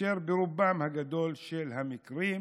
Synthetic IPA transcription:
eɾbeɾubamhaɡad̪o̞lʃelhamikɾim

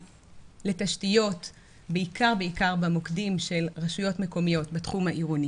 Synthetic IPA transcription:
le̞taʃtijo̞t | beikʰaʁbeikaʁbamokdimʃe̞lʁaʃujo̞tmeko̞mijo̞tbetχumhaʔiʁoni

